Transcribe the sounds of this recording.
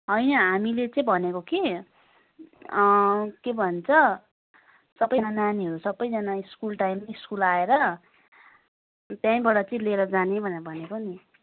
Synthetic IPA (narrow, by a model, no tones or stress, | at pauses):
ɦʌjnʌɦamilet͡sʌĩbʱʌnekoke | kebʱʌnt͡sʰʌ | sʌbʌnananiɦʌɾusʌbʌjd͡zʌnaiskulʈajmʌiskulaeɾʌ | t̪jãĩbaɽʌt͡sʌĩleɾʌd͡zanebʱʌneʌbʱʌnekoni